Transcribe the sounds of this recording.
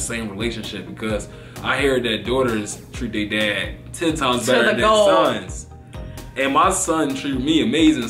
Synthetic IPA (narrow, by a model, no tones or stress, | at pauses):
sẽɪ̃mɹileɪʃɨ̃nʃɪp̚b̥ɨkʰʌz | ʔaɪɦɜ˞d̪̚ðɨt̚d̥ɔɾə˞z̥tʰɹ̥ʉedæd̚tʰɛ̃ntʰãɪ̃mzbɛəəðosʌ̃nz̥ | ɨ̃nmaɪsʌ̃ntʰɹ̥ʉmiɨmeɪzɪ̃ŋ